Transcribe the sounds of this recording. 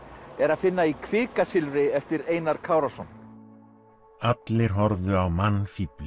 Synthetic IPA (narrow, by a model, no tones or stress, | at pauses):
ɛɾaðfɪnːaikʰvɪːkasɪlvɾɪɛft̪ɪɾeːjnaɾ̥kʰaːwɾasɔn | at̪lɪɾ̥ɦɔɾvðʏawmanːfiːplʏ